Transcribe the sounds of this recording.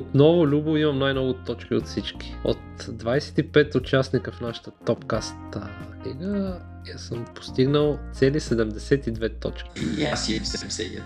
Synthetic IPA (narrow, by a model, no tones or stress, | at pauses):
ot̪nɔvʊlʲubʊimɐmnajnɔvʊt̪ɔt͡ʃkiot̪fsit͡ʃki̥o̰t̪d̪vajsɛ̥t̪ipɛt̪ʊt͡ʃasnikəfnaʃə̥t̪ət̪ɔpkast̪liɡə | jasəmpo̥st̪iɡnəlˠt̪sɛlisɛd̪ɛmd̪ɛsɛt̪id̪vɛt̪ɔ̰t͡ʃkʲi̥asmsɛmsɛ̰ɛ̰